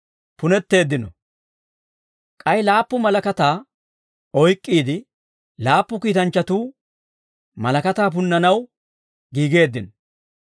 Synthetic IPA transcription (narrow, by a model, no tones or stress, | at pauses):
pʊnɛt̪ːe̞ːd̪ːɪnɔ̰ | kʼɐjlaːpːʊmɐlɐkɐt̪aː | ɔjkʼːiːd̪ɪ | laːpːʊkiːt̪ɐnt͡ʃːɐt̪uː | mɐlɐkɐt̪aːp̬ʊnːɐnɐw | ɡiːɡe̞ːd̪ːɪnɔ